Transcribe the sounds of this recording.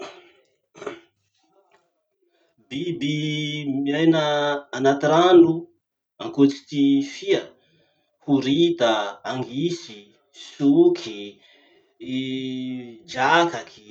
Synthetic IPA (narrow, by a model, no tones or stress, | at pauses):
bibimiajnəːnat̪iɾanu | aŋkut͡si̥t̪ifiə | huɾit̪aaŋɡisi | sukʰi | d͡ʒakakʰi̥